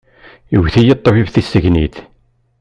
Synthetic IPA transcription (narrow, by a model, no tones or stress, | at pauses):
iwθijət̪ˤːəvivθisːəʝnḭθ